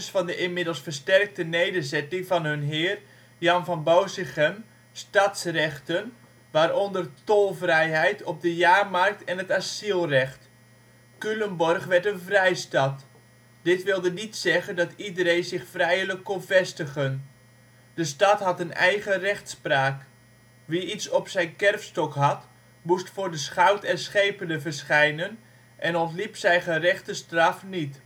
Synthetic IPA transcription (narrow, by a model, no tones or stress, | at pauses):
sfɑndəʔɪnmɪdəl̩ˠsfərstɛrk̚tənejdəzɛtɪŋvɑnɦɵnɦɪːr | jɑnvɑnbowsɪxən | stɑtsrɛχtən | ʋaːɾɔndərtolˠvrɛjɦɛjtʰɔp̚dəjaːrmɑrk̚tʰɛnətasilˠrɛχt | kyləmbɔrχʋɛɹtənvrɛjstɑt | d̥ɪtʋɪlˠdənitsɛχəndɑtidəɾejnzɪxfrɛjələkːonvɛstəχən | d̥əstɑtɦɑtənɛ̰jɣərɛχtspraːk | ʋiitsɔpsɛjnkɛrfstɔkɦɑt | mustfʊːrdəsχawtɛnsχejpənəvərsχɛjnən | ʔɛnɔntlipsɛjχərɛχtəstrɑfnit